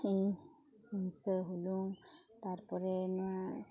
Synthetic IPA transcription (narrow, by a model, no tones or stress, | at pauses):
in | insəɦulũ | t̪aɹpɔɹɛnʊwa